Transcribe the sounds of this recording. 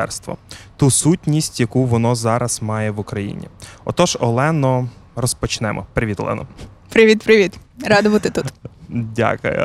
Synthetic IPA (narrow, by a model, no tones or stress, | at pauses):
ɛ̰rst̪ʋɔ̰t̪usutʲnʲisʲtʲjɐkuʋɔnɔzɑɾɐz̥mɑjɛʋʊkɾɐjḭnʲḭɔ̰t̪ɔʒɔlˠɛnɔrɔspɔt͡ʃnɛmʔɔ̰pɾɪʋit̪ɔlˠɛ̰nɔ̰pɾɪʋʲit̪pɾɪʋʲit̪ɾɑd̪ɔʋɐt̪ɪt̪ut̪dʲa̰kʊ̰jʊ̰